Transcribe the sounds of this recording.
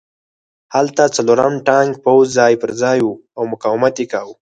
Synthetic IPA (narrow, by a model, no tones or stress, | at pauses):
halt̪at͡saloːɾamʈãːŋɡ̚powzːaːjpəɾzaːjuawmʊkaːwmat̪ikawu